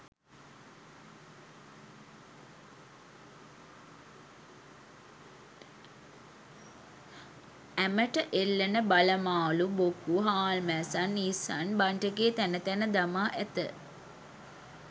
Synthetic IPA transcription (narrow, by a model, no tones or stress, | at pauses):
æməʈəʔelːənəbaləmaːlubokuɦaːlmæːsanːisa̰nbaɳʈəɡeːt̪ænət̪ænəd̪amaːʔæt̪ə̰